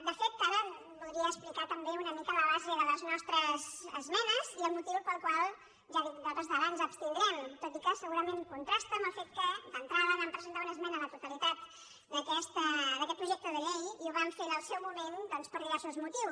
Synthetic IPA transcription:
d̪əfet̪̚aɾə | bulˠɾiəːsplikat̪əmbeunəmikələβazəðələznɔst̪ɾəzəzmɛnəziəlˠmut̪iwpəlˠkwalˠ | ʒaðid̪at̪əzðəβanzəpst̪inɾɛmt̪ot̪ikəsəɣuɾəmeŋkunt̪ɾast̪əməlˠfet̪̚kəd̪ənt̪ɾaðəβampɾəzənt̪aunəzmɛnəðət̪ut̪əlit̪at̪̚ | d̪əkɛst̪əd̪əkɛt̪̚pɾuʒɛk̚t̪əðəʎejiuβamfeɾəlˠsɛwmumend̪ɔnspəɾðiβɛɾsuzmut̪iws

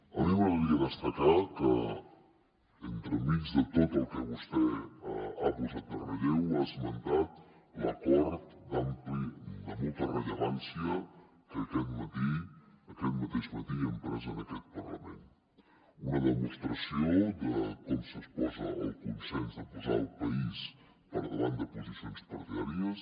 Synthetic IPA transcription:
əɾiwəβiəðəst̪əkakə | ənt̪ɾəmizd̪ət̪ot̪əlˠkəβust̪ɛ | apuzat̪ərəlɛwazmənt̪at̪ | ləkɔɾt̪d̪amplinəmolˠt̪ərəʎəβansiə | kəɐkɛt̪mət̪iɐkɛt̪mət̪eʃmət̪iəmpɾəzonɐkɛt̪̚pɐɾlɐment̪ | unɐðəmust̪ɾɐsjod̪əkɔmsəspɔzɐ̰alkunsenzəpuza̰ɾulpɐis | pəɾðəland̪əpuzisjonspɐɾt̪iaɾjəs

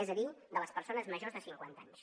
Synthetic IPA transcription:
ɛzəðid̪ələspəɾsonəzməʒozðəsiŋkwant̪aɲs

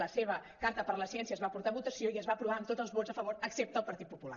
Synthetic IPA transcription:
əseβəkaɾt̪əpəɾləsiɛnsiəzβapuɾt̪aβut̪əsioiəzβaəpɾuβaəmt̪od͡zəlˠzβod͡zzəfəβ̞oɾəksep̚t̪əːlˠpəɾt̪it̪̚pupula̰

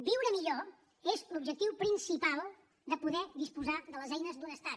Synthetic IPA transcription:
biwɾəmiʎo | ezlubʒək̚t̪iwpɾinsipalˠ | d̪əpuðɛd̪ispuzaðələzɛjnəzd̪unəst̪at̪̚

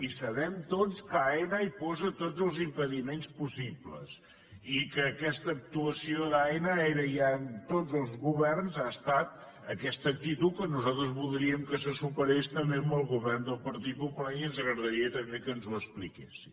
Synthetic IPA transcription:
isəβɛmt̪ot͡skaenəipɔzət̪od͡zəlˠzimpəðimenspusiblə̰s | ikəːkɛst̪əːk̚t̪uəsioðaenəeɾəjant̪od͡zəlˠzɣuβɛrnzast̪at̪ | əkɛst̪əːk̚t̪it̪ukːənuzalˠt̪ɾəzβulˠd̪ɾiəmkəsəsupəɾest̪əmbembəlˠɣuβɛrnd̪əlˠpəɾt̪it̪̚pupulanənzəɣɾəðəɾiət̪əmbekənzuəsplikesi̥

